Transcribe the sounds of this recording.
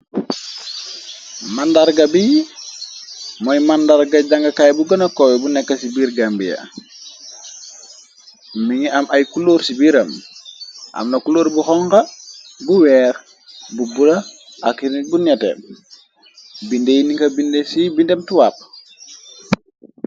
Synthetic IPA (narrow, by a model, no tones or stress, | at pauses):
mandaɾɡɐbiji | mɔjmandaɾɡaɟaŋɡɐkajbuɡɐnɐkɔwɛbunɛkːɐsibiːɾɡambija̰ | miŋiamajkuloːɾsibiɾɐm | ʔa̰mnɐkuloːɾbuxɔŋkɐbuwɛːɾ | bubuda | ʔakiɾibunɛtɛ̰ | bindejiniŋkɐbindesibindemtuwap̚